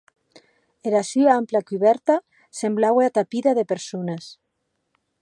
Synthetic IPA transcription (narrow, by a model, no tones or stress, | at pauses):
eɾasyaamplakyβɛɾt̪a | semblaweat̪apiðaðepeɾsunas